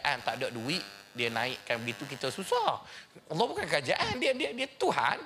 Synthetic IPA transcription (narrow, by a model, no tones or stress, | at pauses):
ʔant̪adaʔ̚duɪʔdiənã̰ɪʔkanbəɡit̪uk̬it̪əsusɔɑlːɔɦbukankəɾad͡ʒaʔandiədiədiət̪uɦa̰n